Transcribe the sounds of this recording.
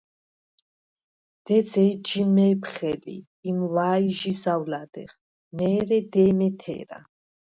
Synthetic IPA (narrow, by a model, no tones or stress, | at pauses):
d̪̥ɛd̪zɛd͡ʒimɛpχɛlḭː | mwaːiʒisawlad̪ɛ̰χ | mɛːɾɛd̪ɛːmɛt̪ʰɛ̰ːɾa̰